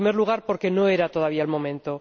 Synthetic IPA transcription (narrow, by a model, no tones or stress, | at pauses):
me̞ɾluɣ̞aɾpo̞ɾke̞no̞e̞ɾat̪o̞ð̞aβiaelmõ̞mẽnt̪o̞